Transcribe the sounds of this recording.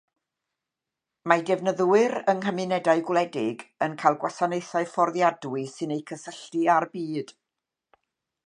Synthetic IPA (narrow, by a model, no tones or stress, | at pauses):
madɛvnəðwɨɾəŋɦəmɨnɛdaɨɡwlˠɛdɪɡənkʰajlˠɡwasanejθaɨfɔrðjadwɨsɨnejkʰəsəɬtiarbiːd̥